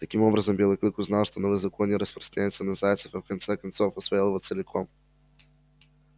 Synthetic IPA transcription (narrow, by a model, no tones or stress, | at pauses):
t̪ɐkʲimɔbɾɐzəmbʲilˠɐklikʊznalˠʃt̪onɔvizɐkɔnʲiɾəspɾɐ̥st̪ɾɐɲʲɛt̪sənɐzajt̪sɛfɐfkɐnt̪sɛkɐnt̪sɔfosvɛɛlˠvot̪sɛlʲɛkʰɔm